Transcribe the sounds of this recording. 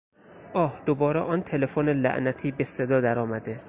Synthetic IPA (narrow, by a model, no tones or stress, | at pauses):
ʔɒːhd̪̥obɒːɾɛʔɒːnt̪ʰelefonelæ̰ʔnæt̪ʰiːbesed̪ɒːd̪æɾɒːmæd̪e